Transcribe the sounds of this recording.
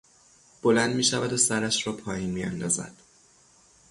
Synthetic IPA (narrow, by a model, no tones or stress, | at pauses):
b̥o̞lænd̪miːʃævæd̪osæɾæʃɾɒːpʰɒːjiːnmiːæ̰nd̪ɒːzæ̰d̪̥